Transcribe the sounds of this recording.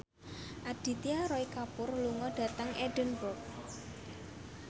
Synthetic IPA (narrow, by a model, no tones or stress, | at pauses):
ʔad̥i̤t̪iaɾɔikapʊrluŋɔɖ̥a̤t̪əŋʔɛɖ̥ənbʊrk̚